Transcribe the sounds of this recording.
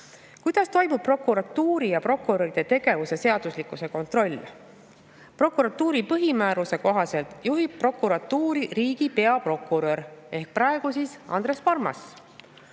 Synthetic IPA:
kujd̪̥ɑst̪o̞jmub̚pro̞kuɾɑt̪ːuːɾijɑpro̞kːuɾoɾid̪̥e̞t̪e̞ɡ̥e̞vuse̞se̞ɑd̪̥uslikːˑuse̞ko̞nt̪ro̞lʲː | pro̞kuɾɑt̪ːˑuːɾipɤɦimæːɾuse̞ko̞ɦɑse̞lt̪ˑjuɦib̚pro̞kːuɾɑt̪ːuːɾiriːɡ̥ipe̞ɑpro̞kːˑuɾø̞ɾe̞hk̚pɾɑe̞ɡ̥usisɑ̰nd̪ɾe̞spɑrmɑ̰s

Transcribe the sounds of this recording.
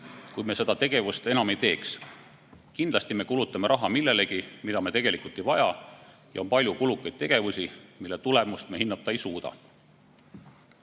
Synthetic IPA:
kujme̞se̞d̪ɑt̪e̞ɡ̥e̞vust̪e̞nɑme̞jt̪e̞ːks | kind̪lɑst̪ime̞kulut̪ːˑɑme̞ɾʔɑɦɑmilːe̞le̞ɡimid̪ɑme̞t̪e̞ɡ̥e̞likˑult̪ːˑejvɑjɑ | jɑo̞npɑlʲjukulukːˑɑjd̪̥̚t̪e̞ɡ̥e̞vusʲimilːet̪ule̞must̪mehinːɑt̪ːˑɑejsuːd̪̥ɑ̰

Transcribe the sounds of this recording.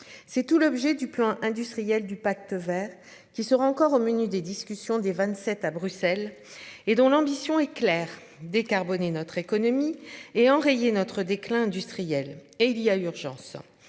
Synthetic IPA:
sɛt̪ulɔbʒɛd̪yplɑ̃ʔɛ̃d̪yst̪χijɛld̪ypak̚t̪əvɛːʁ | kʲisəʁaɑ̃kɔʁomənyd̪ed̪iskʲysjɔ̃d̪evɛ̃t̪sɛt̪abʁysɛled̪ɔ̃lɑ̃bisjɔ̃ɛklɛʁ | d̪ekaʁbɔnenɔt̪χekɔnɔmieɑ̃ʁejenɔt̪χəd̪eklɛ̃ɛ̃d̪yst̪χijɛleilijayʁʒɑ̰̃s

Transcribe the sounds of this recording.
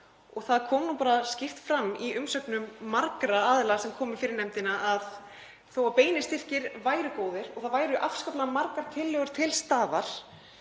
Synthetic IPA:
ɔɣθaðkʰɔːmnumpaːɾascɪft̪fɾamːiʔʏmsœknʏmːaɾkɾaaːðɪlasɛmkʰɔːmɪ̥fɪːɾɪɾnɛmt̪ɪnaʔað | θowapeːjnɪ̥st̪ɪr̥cɪɾvaːjɾʏkoːwðɪɾ̥ɔɣθaðvaːjɾʏʔafskaplaðmaɾkaɾ̥t̪ʰɪlːœɣʏɾ̥t̪ʰɪlst̪aːvaɾ̥

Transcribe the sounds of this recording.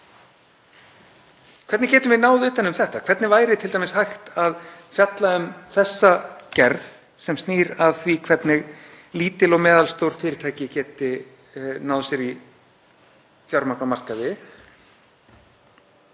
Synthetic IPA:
kʰvɛɾt̪nɪcɛːt̪ʏmvɪnaːwðɪʏːt̪anʏmθɛht̪akʰvɛɾt̪nɪvaːjɾɪt̪ʰɪlt̪ajmɪshajxt̪aðfjat̪laʏmθɛsːacɛɾð | sɛmst̪niːɾaðθvikʰv̥ɛt̪nɪɣ | liːt̪ɪlɔɣmɛːðalst̪owɾ̥fɪːɾɪt̪ʰajcɪcɛːt̪ɪ | naːwðsɛɾi | θjɔɾmaknamar̥kavɪ

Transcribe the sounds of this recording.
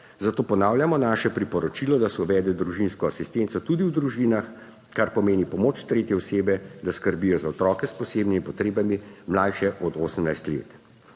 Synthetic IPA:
zat̪oːpɔnaːwljamɔnaʃɛpɾipɔɾɔt͡ʃilɔd̪asɛuʋɛːd̪ɛd̪ɾuʒinskɔasist̪eːnt̪sɔt̪ud̪iwd̪ɾuʒiːnax | kaɾpɔmeːnipɔmoːt͡ʃt̪ɾeːt̪jɛɔseːbɛd̪askəɾbijɔzaɔt̪ɾɔːkɛspɔseːbnimipɔt̪ɾeːbamimlajʃɛʔɔd̪oːsəmnajst̪lḛːt̪

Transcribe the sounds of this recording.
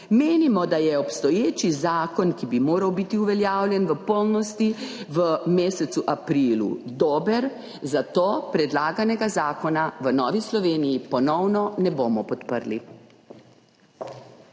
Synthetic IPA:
meːnimɔd̪ajɛɔpst̪ɔjeːt͡ʃizaːkɔnkibimoːɾawbit̪iuʋɛljaːwlʲjɛnʋəpɔlnɔst̪iʋəmeːsɛt̪suʔapɾilṵd̪oːbəɾ | zat̪oːpɾɛd̪laːɡanɛɡazaːkɔnaʋənɔːʋislɔʋeːnijipɔnɔwnɔnɛboːmɔpɔt̪pəɾli

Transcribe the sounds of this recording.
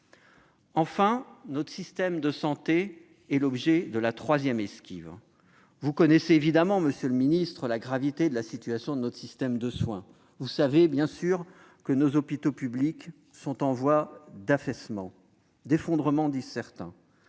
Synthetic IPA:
ɑ̃fɛ̃nɔt̪χə̥sist̪ɛmd̪əsɑ̃t̪e | ɛlɔbʒɛd̪əlat̪χwazjɛmɛskʲḭv | vukɔnɛseːvid̪amɑ̃məsjøləminist̪χəlaɡʁavit̪ed̪əlasit̪yasjɔ̃d̪ənɔt̪χsist̪ɛmd̪əswɛ̃ | vusavebjɛ̃syʁ | kənozɔpit̪opyblik | sɔ̃t̪ɑ̃vwad̪afɛsmɑ̃ | d̪efɔ̃d̪ʁəmɑ̃d̪izsɛʁt̪ɛ̰̃

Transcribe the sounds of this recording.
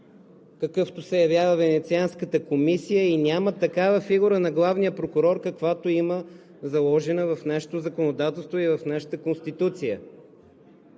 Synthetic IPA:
kɐkɤft̪osɛjɐvjavəvɛnɛt̪sianskət̪əkomisijəinʲamət̪ɐkavəfiɡuɾənɐɡlˠavnijəpɾokʊɾɔɾkɐkvat̪oimə | zɐlˠɔʒɛnəvɐfnaʃɛ̥t̪ozəkonod̪at̪ɛlˠst̪voivɐfnaʃə̥t̪əkonst̪it̪ut̪sijə̰

